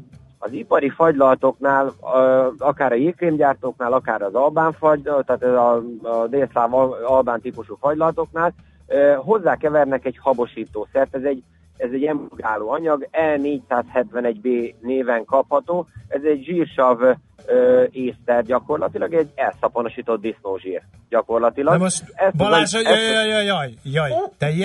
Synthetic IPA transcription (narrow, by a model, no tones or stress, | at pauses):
ɒzipɒɾifɒɟlɒlt̪o̞knaːl | ɒkaːɾɒilklimɟaːrt̪oːknaːlɒkaːɾɒzɒlbaːɱfɒɟt̪aːt̪ɛɒd̪eːslaːvɒlbaːnt̪ipuʃufɒɟlɒlt̪o̞knaːl | øɦo̞zːaːkɛvɛrnɛkɛchɒbo̞ʃiːt̪oːsɛrt̪ɛzɛɟ | ɛzɛɟɛmbuɡaːloːɒɲɒɡɛlneːɟsaːshɛt̪ʋɛnɛɟbeːneːvɛŋkɒphɒt̪oːɛzɛɟʒiːrʃɒv | øeːst̪ɛrɟɒko̞rlɒ̰t̪ilɒɡɛɟːɛlsɒpono̞ʃiːt̪o̞d̪̚d̪isnoːʒḭːr | ɟɒko̞rlɒt̪ilɒɡmoʃɛsblaʃjjɒjjɒjt̪ɛj